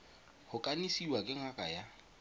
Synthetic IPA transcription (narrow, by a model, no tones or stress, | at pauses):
hʊkʼanisiwakʼɪŋ̩akʼaja